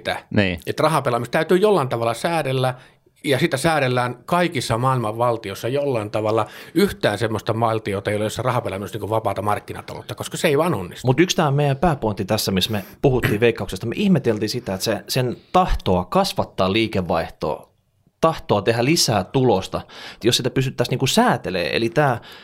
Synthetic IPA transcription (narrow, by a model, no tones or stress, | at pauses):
t̪æ̰niːet̪rɑhɑpelɑmist̪t̪æyt̪yːjolːɑːnt̪ɑʋɑlːɑsæːɾelːæ | jɑsit̪æsæːɾelːæːŋkɑikisːɑmɑːilmɑʋʋɑlt̪iosːɑjolːɑːnt̪ɑʋɑlːɑyht̪æːnsemːost̪ɑmɑilt̪iot̪ɑeijolejosːɑrɑhɑpelɑminusniːkuʋɑpɑːt̪ɑmɑrkːinɑ̰t̪ɑ̰lo̰t̪ːɑkoskɑseeiʋɑːnonːist̪mut̪ykst̪æːommeijæmpæːpoint̪ːit̪æsːæmismepuhut̪ːiːʋeikːɑuksest̪ɑmḛʔihmet̪elt̪iːsit̪æet̪sesent̪ɑht̪oɑkɑsʋɑt̪ːɑːliːkeʋːɑiht̪o̰ː | t̪ɑht̪oɑt̪ehælisæːt̪ulost̪ɑet̪josit̪æpys̬t̪yt̪ːæsniːŋkusæːt̪elḛːḛlit̪æː